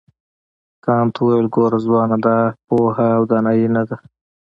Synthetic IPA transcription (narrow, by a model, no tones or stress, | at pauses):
kɑːmt̪ʰwajalɡoɾazwɑnad̪apohaːwd̪anɑjinad̪a